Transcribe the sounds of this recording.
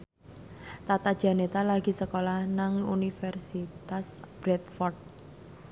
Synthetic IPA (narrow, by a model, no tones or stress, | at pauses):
t̪at̪ad̥ʒ̥a̤net̪alaɡ̥i̤səkolahnaŋunifɛrsit̪asb̥ɾɛt̪̚fɔrd̪̚